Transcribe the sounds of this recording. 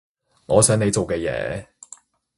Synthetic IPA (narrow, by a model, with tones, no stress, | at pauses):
ŋɔː˨˧sœː˨˥ŋe˨˧jt͡so˨wkɛː˧jɛ̰ː˨˧˦